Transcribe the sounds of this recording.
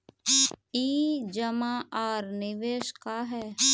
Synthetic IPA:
iːd͡ʒəmãːaːɾnɪʋeːʃkaɦɛː

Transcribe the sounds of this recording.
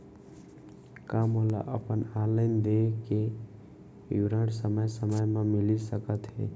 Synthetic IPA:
kamola̰ʔəpənaləɪnd̪eke | juɾəɽsəməjsəməjmamilisəkət̪ɦḛ

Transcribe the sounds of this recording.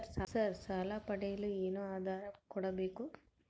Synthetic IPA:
ɾsasaɾsalaːpɐɽɐjɪlɯɛnɯaːðaːɾɐkʊɽɐbɛkːu

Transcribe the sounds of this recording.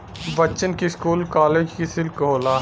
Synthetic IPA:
ʋɐt͡ʃənkiskuːlkaːleːd͡ʒkisɪlkɦoːlaː

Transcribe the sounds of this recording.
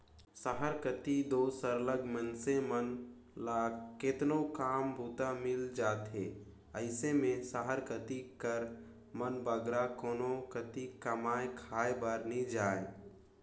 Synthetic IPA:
saɦəɾkət̪id̪oːsəɾləɡmənsemən | laːkɪt̪nokaːmbʱuːt̪amɪld͡ʒaːt̪ɦeː | əɪsemẽsaɦəɾkət̪ikəɾ | mənbəɡɾakoːnokət̪ikəmaːekʰaːebaɾnid͡ʒaːe

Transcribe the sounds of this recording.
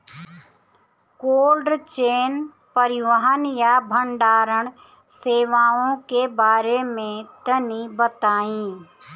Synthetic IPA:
koːlɖt͡ʃeːn | pəɾɪʋəɦənjabʱəɳɖaːɾəɳ̃ | seːʋaːõkebaːɾemẽt̪ənibət̪aːĩ

